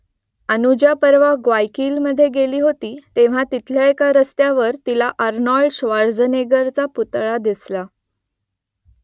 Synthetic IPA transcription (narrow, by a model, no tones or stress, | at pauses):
ənud͡ʑapəɾʋaɡʋajkiːlməd̪ʱːjeɡeliːɦot̪iːt̪eʋ̤at̪it̪ʰljaekaɾəst̪jaʋəɾt̪ilaʔəɾnɔɭɖɕʋaɾd͡zəneɡəɾt͡saput̪ɭad̪isla